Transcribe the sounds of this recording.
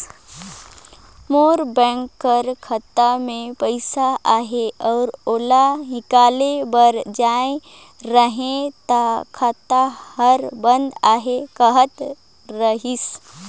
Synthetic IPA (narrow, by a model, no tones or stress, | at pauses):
moːɾbɛ̃ːŋkːəɾkʰət̪amẽpəɪsaʔaːɦeɔːɾoːlaɦɪkaːlebəɾd͡ʒaːẽ | ɾəɦẽt̪akʰət̪ahəɾbə̃nd̪aːɦekəɦət̪ | ɾəɦis